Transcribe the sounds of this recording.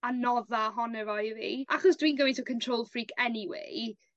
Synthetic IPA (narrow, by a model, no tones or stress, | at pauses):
anɔðaɦɔnɛvɔjvḭːʔaχɔsd̥wiːnɡəwɪntʰukʰəntʰr̥oːlˠfriːkʰɛniwḛ